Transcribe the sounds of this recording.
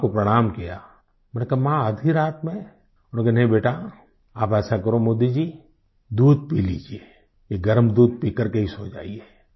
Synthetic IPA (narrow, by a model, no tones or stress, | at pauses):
kopɾɐɽ̃aːmkija | bənkemãəd̪ʱiɾaːt̪mẽ | ɔkenɐɦĩbeːʈa | aːpɛːsakɐɾomʊd̪ːid͡ʒiː | d̪uːd̪̚piːlḭːd͡ʒie | jeɡəɾmd̪uːd̪̚piːkəɾkeɦisod͡ʒa̰ːieː